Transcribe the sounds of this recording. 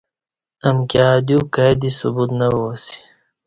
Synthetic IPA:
ɐmkjaːd̪juːkajd̪isubuːt̪nɐwoːsi̥

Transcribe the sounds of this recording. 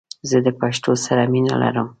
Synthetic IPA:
zəd̪əpaʃt̪osaɾamina̰la̰ɾəm

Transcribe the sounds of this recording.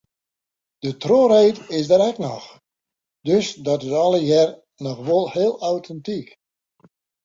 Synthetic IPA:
d̥ətroːɾejtɪsdəɾɛknɔx | d̥øsdɔtɪsɔlˠəjɛr | nɔxʋolˠhɪəlˠawtʰɛntik

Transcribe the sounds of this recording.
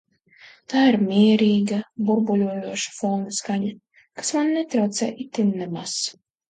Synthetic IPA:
t̪aːiɾmʲiɛɾiːɡabuɾbulʲuɔjuɔʃḁfɔːnɨskaɲa | kḁsmanʲnɛt̪ɾawt̪sɛ̰ːʔit̪ʲːinːɛmas

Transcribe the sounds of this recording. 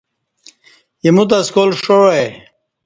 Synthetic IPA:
jemut̪̬askolʂoae

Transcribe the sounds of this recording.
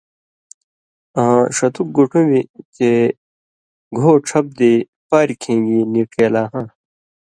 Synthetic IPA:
ãʂɐt̪uk̚ɡuʈʰumit̪e | ɡʱoːʈ͡ʂʰɐp̚d̪i | paːɾikʰẽːŋɡinikeːlaːɦãː

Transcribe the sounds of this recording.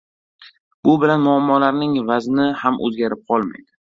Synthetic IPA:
b̥ʊbɪlanmʊamːɒlaɾnɪŋvaznɪhamʔɵ̰zɡʲaɾɪp̚qʰɒlˠma̰jd̪ɪ

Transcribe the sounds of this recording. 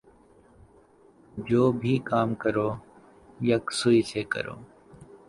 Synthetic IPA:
d͡ʒoːbʱiːkaːmkəɾoː | jəksʊiːseːkə̰ɾo̰ː

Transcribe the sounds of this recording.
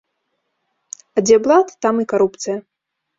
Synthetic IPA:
ɐd͡zʲɛblˠat̪t̪amɨkaɾupt̪sɨjɐ

